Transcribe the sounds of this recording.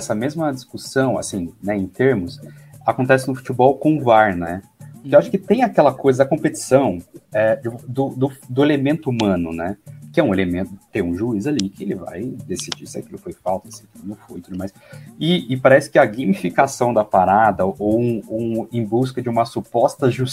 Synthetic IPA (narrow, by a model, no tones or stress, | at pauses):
ɛsɐmezmɐd͡ʒiskusɐ̃w̃a̰sĩnɛẽj̃t̪eɾmʊs | akõnt̪ɛsɪnʊfu̥t͡ʃibɔwkõʊvaɾnɛ | poɾkewaʃʊ̥kɪt̪ẽj̃akɛlɐkojzɐd̪ɐkõpet͡ʃi̥sɐ̃w̃ɛd͡ʒɪd̪ʊd̪ʊd̪ʊelemẽnt̪ʊumɐ̃nʊ̰nɛkɪɛũelemẽnt̪ʊt̪ẽj̃ũʒuizalikɪelɪva̰jd̪esid͡ʒḭsɪakilʊɪfojfawt̪ɐsɐkilʊnɐ̃w̃foj̃t̪ud̪ʊmajsɪːpaɾɛsɪ̥kɪɐɡemifikasɐ̃w̃d̪ɐpaɾad̪ɐʔow̃oẽj̃bus̬kɐd͡ʒɪũmɐsupɔst̪ɐʒus